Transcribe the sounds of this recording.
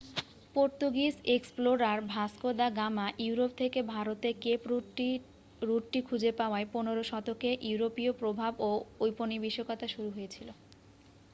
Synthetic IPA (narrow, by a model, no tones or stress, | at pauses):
poɾt̪uɡiseksploɾaɾbʱaskod̪aɡamaʔiuɾop̚t̪ʰekebʱaɾot̪ekepɾ | ɾuʈʈikʰud͡ʑepaoaeponeɾoʃɔt̪okeʔiuɾopiopɾobʱaboojponibiʃːokot̪aʃuɾuɦojet͡ɕʰilo